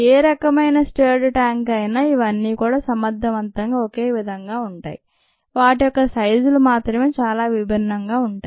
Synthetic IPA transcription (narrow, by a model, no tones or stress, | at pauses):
eːɾɐkɐmɐjnɐsʈeːɾɖʈaːŋkɐjnaːiʋɐnːiːkuːɽaːsɐmɐd̪ʱːɐʋɐnt̪ɐŋɡaːoke̞ːʋid̪ʱɐŋɡaːuɳʈa̰ːji | ʋaːʈijɔkːɐsɐjd͡ʒulumaːt̪ɾɐmeːt͡ʃaːlaːʋibʱinːɐŋɡaːuɳʈaːi